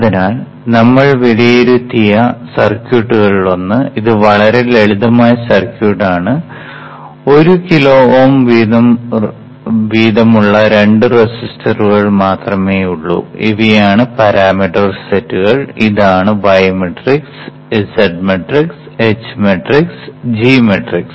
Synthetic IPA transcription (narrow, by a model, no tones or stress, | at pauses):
ɐðinaːl | nɐmːɐɭʋeɭijeɾut̪ːijɐsɐrkjuːʈːuɣɐɭʋɐnːɨiðɨʋɐɭɐɾe̞leɭiðɐmaːjɐsɐrkjuːʈːaːɳɨ | o̞ɾukiloːoːmʋiðɐm | ʋiːðɐmuɭːɐɾe̞ɳɖɨresistʰɐruɣɐɭmaːt̪rɐme̞ːjuɭːṵḭʋijaːɳɨpɐɾaːmiʈːɐrsetːuɣɐɭiðaːɳɨbɐjɐmeʈriks | esɐɖmeʈriks | et͡ɕːmeʈriksd͡ʑiːmeʈriks